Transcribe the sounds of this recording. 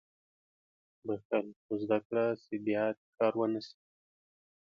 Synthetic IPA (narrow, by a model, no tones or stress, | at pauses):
baxt̪alxozd̪akɽasebjɑt̪̚kɑɾwənəsi̥